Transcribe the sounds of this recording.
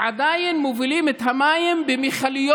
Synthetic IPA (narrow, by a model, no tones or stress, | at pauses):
ʕad̪ajenmovilimet̪hamajimbemiχalijo